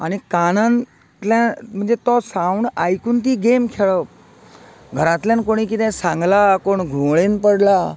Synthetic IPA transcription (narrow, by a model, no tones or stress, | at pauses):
añikanan | t̪lãm̤əɳd͡zet̪ɔsawɳajkuːnt̪iːɡemkʰeɭɔ | ɡʱəɾãt̪ljãnkoɽ̃ikit̪ɛ̃sãŋɡlakoɳɡʱõɭenpəɽla